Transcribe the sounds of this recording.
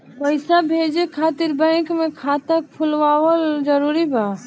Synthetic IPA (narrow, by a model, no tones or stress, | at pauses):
pəɪsabʱeːd͡ʒekʰaːt̪ɪɾbə̃ɪ̃kmẽkʰaːt̪ək̚pʰʊlʋaːʋəld͡ʒəɾuːɾiba